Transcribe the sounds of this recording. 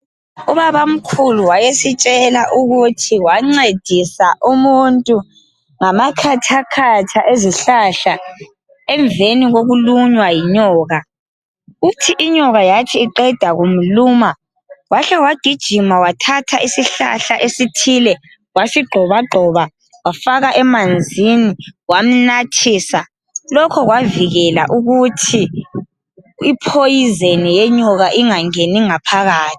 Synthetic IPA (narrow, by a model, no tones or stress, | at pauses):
uβaβam̩kʰuluwajesit͡ʃʼɛlaʔuɣutʰiwaŋ͡ǀed̥ʱisaʔumuntʼu | ŋamakʰatʰakʰat͡ʃʰaʔeziɬaɬa | ɛɱbveniɣoɣuluɲwajiɲɔːɣa | utʰiʔiɲɔɣajatʰiːǃɛd̥ʱaɣum̩luma | waɬɛwaɡ̥ʱid̥ʒ̥ʱimawatʰatʰaʔisiɬa̰ɬaʔesitʰilɛ | wafiɡ͡ǃʱɔβaɡ͡ǃʱɔβa | wafaɣaʔɛmand͡zʱiniwam̩natʰisa | lɔkʰɔɣwaviɣɛla̰ʔuɣutʰi | ipʰojizenijeɲɔɣaʔiŋaŋeniŋapʰaɣaːtʰi̥